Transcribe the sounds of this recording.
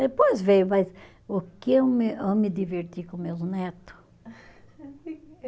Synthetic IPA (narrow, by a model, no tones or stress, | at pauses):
d̪epojzvejʊmɐjz | ʊkɪewmewmɪd̪iveɾt̪ikõmewznɛt̪ʊ̥